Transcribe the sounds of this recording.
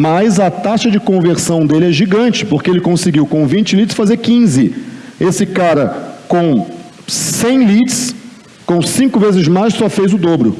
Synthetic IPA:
majzɐt̪aʃɐd͡ʒɪkõveɾsɐ̃w̃d̪elɪɛʒiɡɐ̃t͡ʃɪ̥poɾkeelɪkõsɪɡiwkõvĩnt͡ʃɪlit͡ʃɪsfazeɾkĩzɪesɪkaɾɐkõw̃ | sẽj̃lit͡ʃɪ̥s | kõw̃sĩkʊvezɪzmajssɔfejzʊd̪obɾʊ

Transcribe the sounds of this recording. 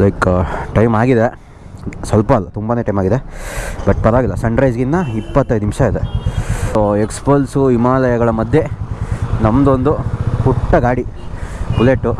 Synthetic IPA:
lɐjkʈɐjmaːɡid̪e | sʋɐlpɐɐlːɐt̪umbaːneʈɐjmaːɡid̪ebɐʈpɐɾɐʋaːɡilːɐsɐɳɾɐjd͡ʒɡind̪ɐipːɐt̪ːɐjd̪nimʂɐid̪e | oekspɐlsuimaːlɐjɐɡɐɭɐmɐd̪ʱje | nɐmd̪o̞nd̪uhuʈːɐɡaːɽi | b̥uleːʈːu

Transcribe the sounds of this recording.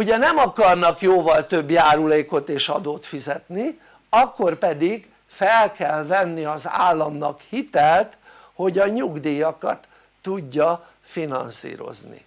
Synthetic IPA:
uɟɛnɛmɒkɒrnɒkjoːvɒlt̪øbjaːɾuleːko̞t̪eːʃɒd̪oːt̪fizɛt̪ni | ɒkːo̞rpɛd̪iɡ | fɛlkɛlvɛnːiɒza̰ːlːɒmnɒkhit̪ɛlt̪ | ho̞ɟɒɲuɡd̪iːjɒkɒ̰t̪ː | uɟːɒ | finɒ̰nsḭːɾo̞̰znḭ

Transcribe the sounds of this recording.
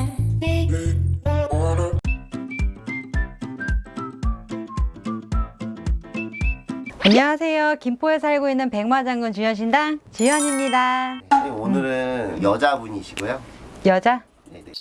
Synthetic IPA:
aɲʌŋasʰe̞jokimpʰoes̬ʰaɭɡoinːɯnpe̞ŋwad͡ʑaŋɡɯnt͡ɕuɲjʌɕ̬ʰindaŋt͡ɕijʌɲimɲidaeonɯɾɯnjʌd͡ʑabuɲiɕʰiɡojojʌd͡ʑa

